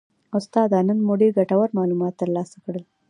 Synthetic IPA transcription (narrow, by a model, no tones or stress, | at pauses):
ʊst̪ɑd̪ɑnənmoɖeɡaʈawaɾmɑlumɑt̪ːəɾlɑsakɽəl